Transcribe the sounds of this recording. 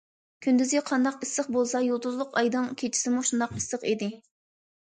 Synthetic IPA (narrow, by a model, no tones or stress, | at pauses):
kʲʰynd̪yzɡʲɛqʰɑnd̪ɑqisːəχbolˠsɑjolˠd̪uzlˠʊqɑjd̪ɨŋkʲʰet͡ʃʰi̥sɪmuʃund̪ɑqɨsːɨqid̪ɪ